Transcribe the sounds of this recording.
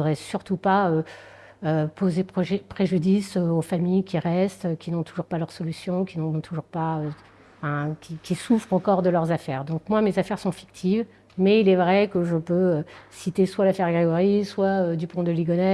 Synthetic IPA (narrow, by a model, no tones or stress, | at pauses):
d̪ʁɛsyʁt̪upaø | øpozepʒɛpχeʒyd̪isøofamijkʲiʁɛst̪økʲinɔ̃t̪ʰuʒuʁpalœʁsɔlysjɔ̃kʲinɔ̃t̪ʰuʒuʁpaø̃ | fɛ̃kʲikʲisufχɑ̃kɔʁd̪əlœʁzafɛʁd̪ɔ̃k̚mwamezafɛʁsɔ̃fi̥k̚t̪ʰiv | mɛilɛvʁɛkəʒəpøøsit̪eswalafɛʁɡʁeɡɔʁiswaød̪ypɔ̃d̪əliɡɔnɛ